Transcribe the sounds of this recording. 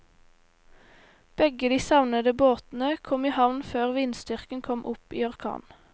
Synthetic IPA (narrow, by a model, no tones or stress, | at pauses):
b̥ɛɡəd̪iːsɑʋnəd̪əboːt̪n̩əkʰɔmiːhɑʋnføːʁʋinsd̪ʏʁkən̩kʰɔmʔʊpḭːɑʁkʰɑ̰ːn